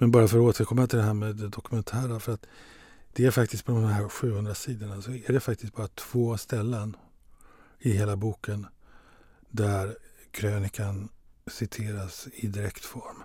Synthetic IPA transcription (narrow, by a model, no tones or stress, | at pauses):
mɛnbɑːɾafœɾoːt̪ʰəɾkʰɔmːat̪ʰɪld̪ɛɦæːɾmeːd̪ɛd̪ɔkɵmɛnt̪ʰæːɾafœɾat̪ | d̪̥ɛæɾfak̚t̪ɪst̪̚pʰɔd̪ɔmmɦæːɾɧʉ̟ːhɵnd̪ɾasiːd̪əɳasɔæɖɛfak̚t̪ɪst̪̚bɑːɾat̪ʰv̥oːst̪ɛlːən | ɪɦeːlabuːkən | d̪æɾkʰɾøːnɪkansɪt̪ʰeːɾasɪd̪ɪɾɛkt̪fɔɾm